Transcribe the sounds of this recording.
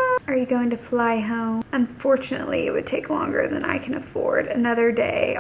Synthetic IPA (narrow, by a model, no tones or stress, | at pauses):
ə˞jɨɡoʊɪ̃ŋtʰɨflaɪɦõʊ̃mə̃ɱfɔɹt͡ʃɨnə̰ʔˡlḭɪ̰t̚wɨd̚tʰeɪklɔ̰̃ŋɡə̰˞ðɨ̃na̰ɪkʰɨ̃nɨfɔ̰ɹɾɨnʌðə˞dḛɪ